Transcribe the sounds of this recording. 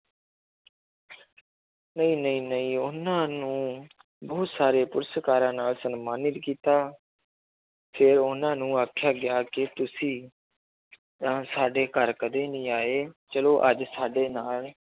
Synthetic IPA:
nəĩːnəĩːnəĩːʊnãːnũː | bɔːt̪saːɾeːpʊɾsəkaːɾãːnaːlsənmaːnɪt̪kiːt̪aː | pʰɪɾʊnãːnũːaːkʰjaːɡɪjaːkɪt̪ʊsĩː | t̪ãːsaːɖeːkəɾkəd̪eːnĩːaːeːt͡ʃəloːʔəd͡ʒsaːɖeːnaːl

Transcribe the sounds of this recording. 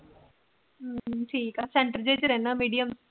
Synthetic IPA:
ʈʰiːkaːsẽɳʈəɾd͡ʒed͡ʑɾɛɦnaːmiːɖijəm

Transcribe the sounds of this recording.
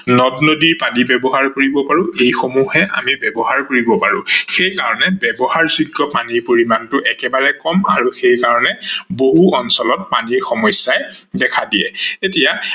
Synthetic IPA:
nɔtnodiɹpanibɛbɔɦaɹkoɹibɔpaɹʊ̃ejxomuhɛʔa̰mibɛbɔɦaɹkoɹibɔpaɹʊ̃xejkaɹɔnɛbɛbɔhaɹziɡːɔpaniɹpoɹimantʊʔɛkɛbaɹɛkɔma̰ɹuxejkaɹɔnɛboɦuɔnsɔlɔt̚pa̰niɹxɔmɔjsjajdɛkʰadiɛ̰tetija

